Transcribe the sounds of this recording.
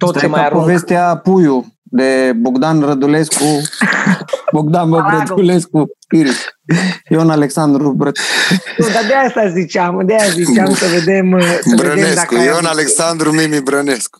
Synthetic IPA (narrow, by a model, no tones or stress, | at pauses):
t̪ot̪emaaaɾpovest̪iapujud̪eboɡd̪anrəd̪ulesku | boɡd̪anbəbɾəd̪uleskuiɾisjonaleksand̪ɾubɾət̪nud̪ad̪eaast̪azit͡ʃamd̪eazit͡ʃamsəved̪emsəbeədeneakujonaleksand̪ɾumimibɾənesku̥